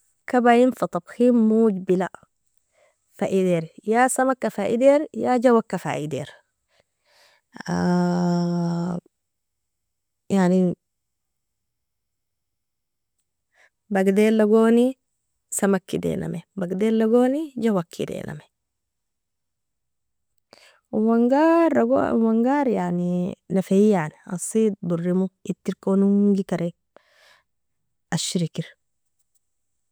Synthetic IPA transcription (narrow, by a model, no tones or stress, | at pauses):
kabajinfɑt̪ˤɑbximːud͡ʒbila | faʔid̪eɾjasamakːafaːʔḭd̪eɾjad͡ʒawakːafa̰ʔid̪ḛɾ | a | jaʕni | baɡd̪elːaɡoːni | sɐmakːid̪ḛːna̰mebaɡd̪elːaɡoːnid͡ʒawakʰːḭd̪ḛːnʔa̰me | waŋɡaɾaɡo̰waŋɡaːɾjaninɐfejania̰sid̪̚burːimuit̪ːiɾkonuŋɡikaɾʔɛ | aʃiɾikiɾ